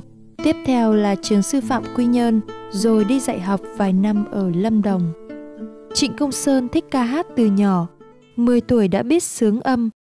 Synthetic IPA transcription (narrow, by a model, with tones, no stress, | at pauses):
t̪i˦˥əp̚t̪ʰɛ˧wlaː˨˩t͡ɕɨ˨˦əŋsɨ˧fa̰ː˧˨mkwi˧ɲə˧nzo˨˩jɗi˧za̰ː˧˨jɦa˨˩wk͡p̚vaː˨˩jna˧mʔəː˧˩lə˧mɗə˨˩wŋ͡m | t͡ɕḭ˧˨ŋ̟kə˧wŋ͡msəː˧nt̪ʰï˦˥k̟̚kaː˧ɦaː˦˥t̚t̪ɨ˨˩ɲɔ˧˩ | mɨ˨˩əjt̪u˧˩əjɗa̰ː˧˥ɓi˦˥ət̚sɨ˨˦əŋʔə˧m